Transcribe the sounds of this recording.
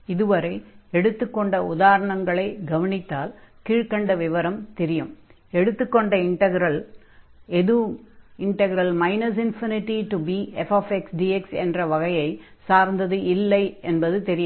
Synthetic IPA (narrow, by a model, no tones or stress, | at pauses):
ɪðɯʋɐɾɐɪɛɽɯt̪ːɯkːɔɳɖɐʊðaːɾɐɳɐŋɡɐɭɐɪɡɐʋɐnɪt̪ːaːlkiːɻkɐɳɖɐʋɪʋɐɾɐmt̪ɛɾɪjɯm | ɛɽɯt̪ːɯkːɔɳɖɐɪɳʈɐɣɪɾɐl | ɛðɯɪɳʈɐɣɐɾɐlmɐɪnɐs̬ɪnfɪnɪʈːiʈubiːɛfaːfɛksɖiːɛksɛ̰ndrɐʋɐɣɐjɐɪ | saːɾnd̪ɐðɯʔɪlːɐɪɛnbɐðɯt̪ɛɾɪjɐ